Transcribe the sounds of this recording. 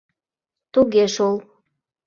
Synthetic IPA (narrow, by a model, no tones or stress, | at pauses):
t̪uɣeʃol